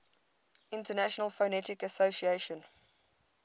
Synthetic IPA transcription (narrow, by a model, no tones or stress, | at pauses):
ɪ̃ntənæʃɔnəlˠfonɛtɪkəsosieʃə̃n